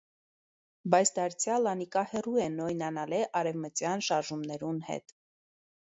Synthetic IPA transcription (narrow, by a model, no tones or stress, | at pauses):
bɑjt͡sʰd̪ɑɾt͡sʰjɑlɑnikɑhɛrujɛnɔjnɑnɑlɛʔɑɾɛvmət͡sjɑnʃɑɾʒumnɛɾunhɛ̰t̪